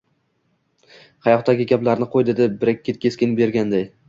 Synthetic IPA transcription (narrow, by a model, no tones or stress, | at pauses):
hɑjɒqt̪aɡʲɪɡʲablaɾnɪqʰojd̪ed̪ɪbɪɾakʲʰːet̪̚kʲʰe̞skʲɪnbe̞ɾɡʲand̪aj